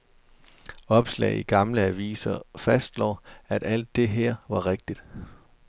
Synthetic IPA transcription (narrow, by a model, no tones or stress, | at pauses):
ɒ̽b̥slɛ̰ːɪiɡ̥ɑ̈mləæʋḭːsɐfæsd̥lɒ̰ːæɾ̥æl̰d̥ːe̝ɦeɐ̰ʋɑ̈ʁeɡ̥̚d̥id̥